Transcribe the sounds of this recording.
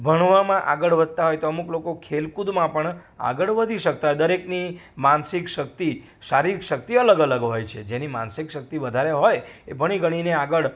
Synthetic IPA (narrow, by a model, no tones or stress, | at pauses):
bʱəɳ̃ʋamãʔaɡəɭʋəd̪̚ʱt̪aɦojt̪oəmuklokokʰelkud̪mãpəɳa̰ɡəɭʋəd̪ʱiʃək̚t̪aɦojd̪əɾeknimansikʃəkt̪i | saɾiʃək̚t̪iələɡələɡɦojt͡ʃʰed͡ʒenima̰nsikʃək̚t̪iʋəd̪ʱaɾeɦojebʱəɽ̃iɡʱəɽ̃ineaɡəɭ